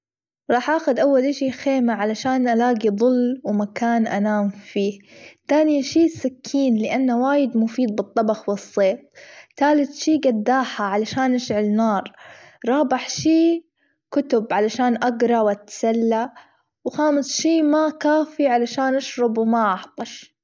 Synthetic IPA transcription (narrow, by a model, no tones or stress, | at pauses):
ɾˤɑːħʔaːxʊd̪ʔawːalʔɪʃiːxeːmaʕalaʃaːnʔalaːɡiðˤʊlːwmakaːnʔanaːmfiːt̪aːnɪjaʃiːsakʰːiːnlɪʔanːawaːjɪd̪mʊfiːd̪̚bɨt̪ˤːɑbɑxwɪsˤːeːt̪̚ˤt̪aːlɪt̪ʃiːɡad̪ːaːħaʕalaʃaːnʔaʃʕɪlnɑːɾˤ | ɾˤɑːbɪħʃiː | kʊt̪ʊbʕalaʃaːnʔaɡɾˤɑwʔat̪salːa | wxaːmɪsˤʃiːmakaːfiʕalaʃaːnʔaʃɾˤɑbwmaʔɑħt̪ˤɑʃ